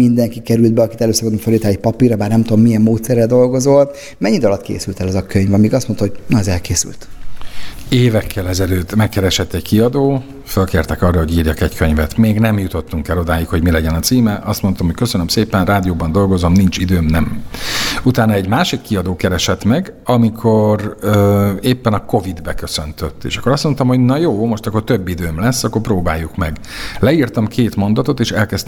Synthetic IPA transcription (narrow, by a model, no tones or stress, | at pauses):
mind̪ɛŋkikɛɾyld̪bɛɒkit̪ɛløːsɒbonoɱfølːiːt̪ɛlɛc̚pɒpiːɾɒbaːrnɛmt̪uomːijɛmːoːt̪sɛrːɛld̪o̞lɡo̞zol | mɛɲːid̪ɒlɒt̪kḛːsylt̪ɛlɛzɒkøɲvɒmiːɡɒst̪mo̞nt̪ɔɦo̞ɟnɒɛzɛlkeːsy̰lt̪ | eːvɛkʰːɛlɛzɛløːt̪ːmɛkːɛɾɛʃɛt̪ːɛɟkiɒd̪oː | følkeːrt̪ɛkɒrːɒɦo̞ɟiːrjɒkɛɟkʰøɲvɛt̪meːɡnɛmjut̪o̞t̪ːuŋkɛlo̞d̪aːjikho̞ɟmilɛɟɛnɒt̪siːmɛʔɒst̪mo̞nt̪omhocʲkøsønømseːpɛnraːd̪ijoːbɒnd̪o̞lɡo̞zo̞mnint͡ʃid̪øːmnɛm | ut̪aːnːɒɛɟmaːʃikːiɒd̪oːkɛɾɛʃɛt̪mɛɡ | ɒmikʰo̞røeːpːɛnɒko̞vid̪bɛkø̞sønt̪øt̪ːḛːʃɒ̥kːo̞ɾɒst̪mont̪ɒmho̞ɟnɒjoːmo̞ʃt̪ɒkːo̞rt̪øbːid̪øːmlɛsːɒkːo̞rproːbaːjːukmɛɡ | lɛirt̪ɒmkʰeːt̪mo̞nd̪ɒt̪o̞t̪eːʃɛlkɛst̪